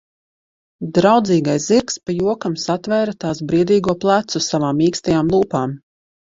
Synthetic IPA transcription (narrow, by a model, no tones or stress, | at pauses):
d̪ɾawd̪ziːɡajsziɾkspajuɔkamsat̪vɛːɾat̪aːsbɾiɛd̪iːɡuɔplˠæt̪susavaːmiːkst̪ajaːmlˠuːpaːm